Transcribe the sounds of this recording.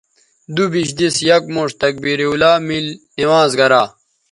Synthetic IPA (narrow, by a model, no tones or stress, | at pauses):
d̪ubiɕd̪isjɐk̚moːʂt̪ɐk̚biɾiulaːmil | iwãːzɡɐɾaː